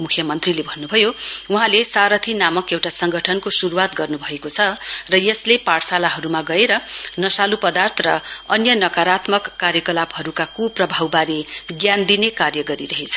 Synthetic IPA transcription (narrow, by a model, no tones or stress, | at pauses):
mukʰjʌmʌnt̪rilebʱʌnːubʱʌjouɦãlesaɾʌt̪ʰinamʌkewʈasʌŋɡʌʈʰʌnkosuɾuwat̪ɡʌrnubʱʌekot͡sʰʌrʌjeslepaɽsalaɦʌɾumaɡʌeɾʌnʌsalupʌd̪art̪ʰrʌʌnjʌnʌkaɾat̪mʌkːarjʌkʌlaphʌɾukakuprʌbʱawbaɾiɡjand̪inekarjʌɡʌɾiɾʌɦet͡sʰʌ̥